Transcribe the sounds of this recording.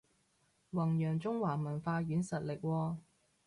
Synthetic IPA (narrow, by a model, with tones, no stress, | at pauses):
wɐ˨˩ŋjœː˨˩ŋt͡sʊ˥ŋwaː˨˩mɐ˨˩nfaː˧jyː˨˥nsɐ˨t̚lɪ˨k̚wɔː˧